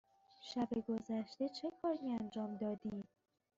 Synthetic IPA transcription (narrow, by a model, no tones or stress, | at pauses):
ʃæbeɡo̞zæʃt̪e̞t͡ʃʰe̞kʰɒːɾiænd͡ʒɒːmd̪ɒːd̪iːm